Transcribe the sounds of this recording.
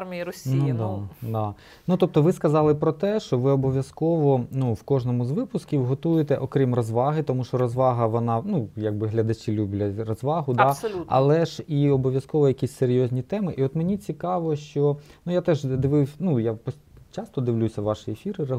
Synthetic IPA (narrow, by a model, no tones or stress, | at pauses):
rmʲijiɾɔsʲnid̪ad̪ɑ | nut̪ɔp̚t̪ɔʋɪskɐzɑlˠɪpɾɔt̪ɛʃt͡ʃɔʋɪɔbɔʋʲjɐskɔʋɔnuwkɔʐnɔmʊzʋɪpʊskʲiwɦɔt̪ujɪt̪ɛʔɔkɾʲimrɔzʋɑɦɪt̪ɔmuʃt͡ʃɔɾɔzʋɑɦɐʋɔnɑnujɐɡ̚bɪɦlʲɐd̪ɐt͡ʃilʲubʲlʲɐrɔzʋɑɦʊd̪ɑsɔlʲɐ̰lˠɛʒiɔbɔʋʲjɐskɔʋɔjɐkʲisʲseɾʲjɔzʲnʲit̪ɛmɪʔiɔt̪menʲit͡sʲikɑʋɔʃt͡ʃɔnujat̪ɛʒd̪ɪʋɪwnujapɔ | t͡ʃɑst̪ɔd̪ɪʋlʲusʲɐʋɑʃɪefʲiɾɪɐ